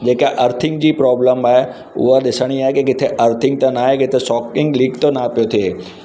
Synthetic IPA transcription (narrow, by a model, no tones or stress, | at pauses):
d͡ʑeːkaʔɐɾt̪ʰɪ̃ŋɡd͡ʑiːpɾɔːbləmaːɦe | ʊ̰ɦaɗɪsəɽ̃iaːɦekekɪt̪ʰeʔɐɾt̪ʰɪ̃ŋɡ̚t̪ãnaːɦekɪt̪ʰesɔːkɪ̃ŋɡliːkt̪onapijot̪ʰie